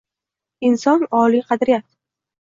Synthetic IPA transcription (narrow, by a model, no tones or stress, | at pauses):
ɪnsɒnɒliqʰɑd̪ɾɪjat̪̚